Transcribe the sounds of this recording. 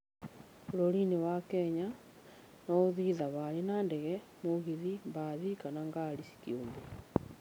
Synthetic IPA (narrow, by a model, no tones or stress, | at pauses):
oɾoɾinewakɛɲa | nɔoðiðaβaɾenandɛɣɛ | moɣiðimbaðikanaŋɡaɾisi̥kioːmbe